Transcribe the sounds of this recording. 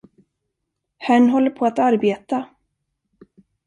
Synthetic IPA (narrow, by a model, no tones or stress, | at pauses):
hæɳɦɔlːəɾpʰɔat̪aɾbeːt̪a